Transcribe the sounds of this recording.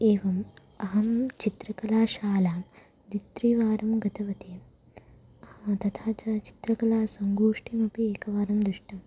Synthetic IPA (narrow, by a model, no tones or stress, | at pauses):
eːʋɐm | ɐɦɐmt͡ʃit̪ɾɐkɐlaːʃaːlaː | d̪it̪ɾiʋaːɾɐmɡɐt̪ʰɐʋɐt̪ʰeː | t̪ɐt̪ʰaːt͡ʃɐt͡ʃi̥t̪ɾɐkɐlaːsɐŋɡuːʂʈʰimɐpieːkɐʋaːɾɐmd̪ɾuʂʈɐm